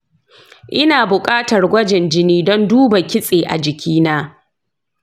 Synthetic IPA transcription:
ʔɪ˦naː˨bʊ˨kʼaː˦tɐ˨rɡʷɐ˦d͡ʒɛ˨nd͡ʒɪ˦niː˦dɔ˦nduː˦ba˨kʲɪ˦sʼeː˨ʔa̰˨d͡ʒɪ˨kʲʰiː˦naː˦

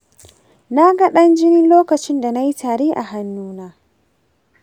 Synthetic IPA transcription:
na˦ɡa˦ɗɐ˦nd͡ʒɪ˦nɪ˦nloː˦kɐ˨t͡ʃɪ˦nda˨na˦ji˦tʰaː˨ɾeː˦ʔa̰˨ɦa˦nːuː˦naː˦

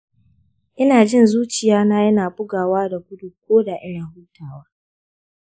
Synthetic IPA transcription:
ʔɪ˦naː˨d͡ʒɪ˦˨nzuː˦t͡ʃɪ˨jaː˦na˦jɐ˦naː˨bʊ˦ɡaː˨waː˦da˨kʷʊ˦du˨kʷoː˦da˨ʔɪ˦ɽɪ˨huː˦tʰaː˨waː˦

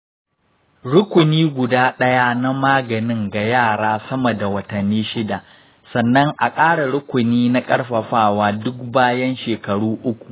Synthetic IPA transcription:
ɽʊ˦kʷʊ˨niː˦ɡʷʊ˨daː˦ɗɐ˦ja˦na˦maː˦ɡɐ˨nɪ˦ŋɡa˨jaː˦˨ɽaː˦sɐ˦mɐ˨da˨wɐ˨tɐ˨nːiː˦ʃɪ˦da˨ʔ | sɐ˨nːɐ˦ŋʔa˨kʼaː˦ɽa˨ɽʊ˦kʷʊ˨niː˦na˦kʼɐ˦ɽɸɐ˨ɸaː˦˨waː˦dʊ˦k̚baː˦jɐ˦nʃeː˨kɐ˨ɽuː˦ʔʊ˦kʷu̥˨ʔ

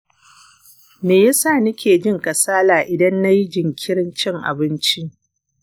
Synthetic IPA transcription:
meː˨ja˦saː˦˨nɪ˦kʲeː˨d͡ʒɪ˦ŋkɐ˨saː˦laː˨ʔɪ˨dɐ˦nːa˦ji˦d͡ʒɪ˨ŋkʲʰɪ˦ɽɪ˦nt͡ʃɪ˦ŋʔa̰˨bɪ˦nt͡ʃi˦

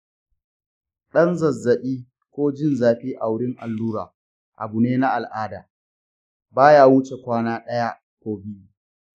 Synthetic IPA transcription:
ɗɐ˦nzɐ˨zːɐ˨ɓiː˦ | kʷoː˦d͡ʒɪ˦˨nzaː˨ɸiː˦ʔa˨wɽɪ˦ŋʔa̰˨lːuː˦ɾa̰ː˨ | ʔa̰˨bu˨neː˦na˦ʔa˨lʔaː˦da̰ː˨ | baː˦jaː˦wʊ˦t͡ʃe˨kʷaː˦naː˦ɗɐ˦ja˦ | kʷoː˦bɪ˦ju˦˨

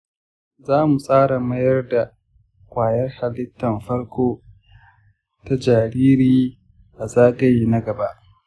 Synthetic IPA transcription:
zaː˦mu˨sʼaː˦ɽa˨mɐ˦jɐ˦rda˨ | kʷʼaː˨jɐ˦rha˨lɪ˦tːɐ˨mɸɐ˦ɽkʷoː˦ | ta˦d͡ʒaː˨ɽiː˦ɾiː˦ | ʔa˨zaː˦ɡɐ˦jna˦ɡɐ˨ba˦ʔ

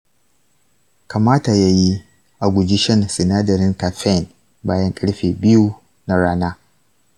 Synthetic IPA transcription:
ka˨maː˦ta˨ja˦ji˦ | ʔa˨ɡʷʊ˨d͡ʒɪ˦ʃɛ˦˨nsɪ˨naː˦dɐ˨ɾɪ˦ŋka˨ɸɛ˦˨n | baː˦jɐ˦ŋkʼɐ˦ɽɸeː˨bɪ˦ju˦ | na˦ɽaː˦naː˦

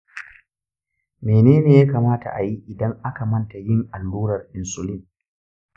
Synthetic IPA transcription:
meː˨neː˦neː˨jaː˦kaː˨maː˦ta̰˨ʔa˨ji˦ʔɪ˨dɐ˦ŋʔa˦ka˨mɐ˦nta˨jɪ˦ŋʔa˨lːuː˦ɾɐ˨rʔɪ˨nsʊ˨lɪ˦n

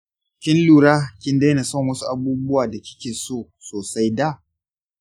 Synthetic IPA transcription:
kʲɪ˦nluː˨ɾaː˦kʲɪ˦nda˦na˨sɐ˦˨ŋwɐ˦su˦ʔa˨buː˦bʊ˦waː˨da˨kʲɪ̥˦kʲeː˨soː˦ | soː˨sa˦jda˦˨

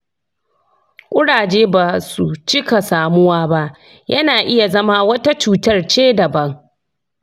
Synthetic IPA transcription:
kʷʼʊ˦ɽaː˨d͡ʒeː˦ba˨su˨t͡ʃɪ˦ka˨saː˨mʊ˦waː˦ba˦ʔ | jʔɐ˦naː˨ʔɪ˦ja˨zɐ˦maː˦wɐ˦ta˦t͡ʃuː˦tɐ˦rt͡ʃeː˦dɐ˨bɐ˦ŋ

